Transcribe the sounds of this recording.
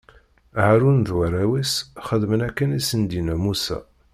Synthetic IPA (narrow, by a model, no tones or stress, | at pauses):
ʕaɾunðwæɾæwisχəðmənækːənisənd̪inæmusæ̰